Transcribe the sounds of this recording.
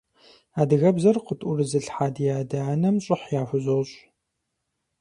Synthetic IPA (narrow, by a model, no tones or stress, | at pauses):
aːdɨɣɐbzɐrqətʼʊrɨzɨɬħaːdjaːdaːnɐmɕʼɪħjaːxʷʊʑoːɕʼ